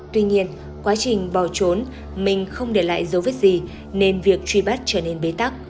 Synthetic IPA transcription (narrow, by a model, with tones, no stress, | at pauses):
t̪wi˧ɲi˧ən | kwaː˨˦t͡ɕï˨˩ŋ̟ɓɔ˧˩t͡ɕo˨˦n | mï˨˩ŋ̟xə˧wŋ͡mɗe˧˩la̰ː˧˨jzə˨˦və˦˥t̚zi˨˩ | ne˧nvi˨˩ək̚t͡ɕwi˧˩ɓa˦˥t̚t͡ɕəː˧˩ne˧nɓe˨˦t̪a˦˥k̚